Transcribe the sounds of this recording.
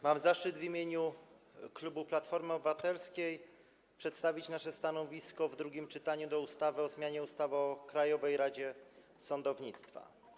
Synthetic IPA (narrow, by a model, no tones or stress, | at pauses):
mamzaʂt͡ʂɘd̪vʲimʲjeɲu | klubuplat̪fɔɾmɘɔbɘvat̪ɛlskʲej | pʂɛt̪st̪avʲit͡ɕnaʂɛst̪anɔvʲiskɔvd̪ɾuɡʲimt͡ʂɘt̪aɲud̪ɔust̪avɘɔzmʲjaɲɛust̪avɘɔkɾajɔvɛjɾad͡ʑɛ | sɔnd̪ɔvɲit̪st̪fa̰